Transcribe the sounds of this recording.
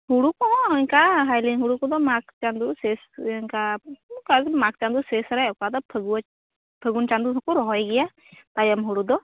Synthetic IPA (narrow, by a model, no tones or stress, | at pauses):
huɽukɔɔ̃ɛŋkaɦajlinɦuɽukɔd̪ɔmak̚t͡ʃand̪usɛsŋkakamak̚t͡ʃand̪usɛsɾɛɔkad̪ɔpʰəɡu | pʰəɡunt͡ʃand̪uɦɔkuɾɔɦɔɛɡɛja | t̪ajəmɦuɽud̪ɔ